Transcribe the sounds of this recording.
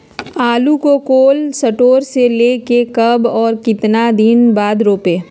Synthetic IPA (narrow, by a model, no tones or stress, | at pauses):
aːlukokoːlsɐʈoːɾseleːkekɐbɔːɾkɪt̪nad̪ɪnbaːd̪ɾoːpeː